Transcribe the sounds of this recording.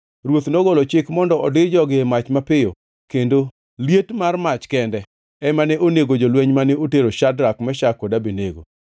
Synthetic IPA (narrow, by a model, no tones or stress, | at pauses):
ɾwot̪noɡɔlot͡ʃɪkmɔndɔɔdɪd͡ʒɔɡɪmat͡ʃmapɪjo | kendo | ljetmarmat͡ʃkɛndɛ | ɛmanɛʔoneɡod͡ʒolwɛɲmanɛoteɾoʃadɾakmɛʃakːɔdabineɡo̰